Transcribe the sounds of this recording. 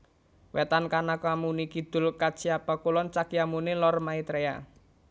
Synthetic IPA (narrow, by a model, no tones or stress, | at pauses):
wɛt̪ankanakwamunikid̪̥ʊ̤lkḁt͡ʃiapakulɔnt͡ʃakijamunelɔrmait̪ɾea̰